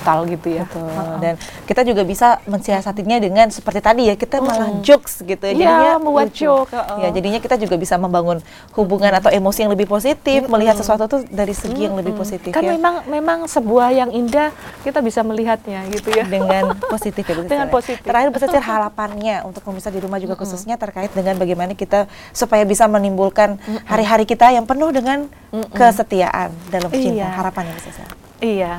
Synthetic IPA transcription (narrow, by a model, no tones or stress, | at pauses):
t̪alɡit̪ujabət̪uldankit̪ad͡ʒuɡabisaməɲsiasat̪iɲadəŋansə̥pərt̪it̪adijakit̪amanahd͡ʒoksɡit̪ujd͡ʒaamuat͡ʃokjad͡ʒadiɲakit̪ad͡ʒuɡabisaməmbaŋʊn | hubuŋanat̪awemosijaŋləbɪhpos̬it̪ɪfməliɦat̪səsuat̪ut̪udaɾisəɡijaŋləbɪhposit̪ɪkajamemaŋmemaŋsəbuahjaŋindahkit̪abisaməliɦat̪̚ɲaɡit̪ujadəŋanosit̪ɪfjabəsidəŋanosit̪əɾahɪrbərsasɪrɦaɾapanɲaṵnt̪ʊk̚məbisadiɾumahd͡ʒuɡakususɲat̪ərkaɪt̪̚dəŋanbaɡajmanakit̪a | supajabisamənimbulkanhaɾiɦaɾikit̪ajaŋpənʊhdəŋan | kəsət̪ia̰ʔa̰ndalamət͡ʃintanɦaɾapanjabəsasɪ̰r | ija